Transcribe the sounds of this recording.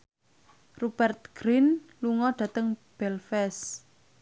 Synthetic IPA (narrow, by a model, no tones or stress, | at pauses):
rub̥ɛrt̪̚ɡ̥ɾinluŋɔɖ̥ä̤t̪əŋb̥ɛlfɛs